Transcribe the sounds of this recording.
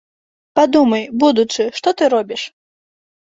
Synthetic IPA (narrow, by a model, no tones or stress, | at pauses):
pad̪umɐjbud̪ut͡ʂɨʂt̪ɔt̪ɨɾɔbʲiʂ